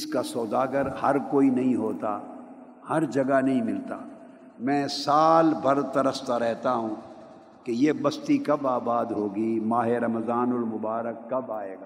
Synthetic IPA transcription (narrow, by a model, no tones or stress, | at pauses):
ɪskasɔːd̪aːɡəɾhɐɾkoːinɐɦĩɦoːt̪a̰ː | hɐɾd͡ʒɐɡanɐɦĩmɪlt̪a̰ː | mɛ̃ːsaːlbʱɐɾt̪ɐɾəst̪aɾɛɦt̪aɦũː | kejebɐst̪ikɐbaːbaːd̪ɦoːɡimaːɦeɾɐmzaːnɔɾmʊbaːɾəkːɐbaːeːɡaː